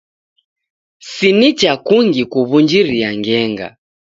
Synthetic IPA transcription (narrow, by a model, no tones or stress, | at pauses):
sinit͡ʃakuŋɡikuβund͡ʒiɾiaŋɡɛŋɡa̰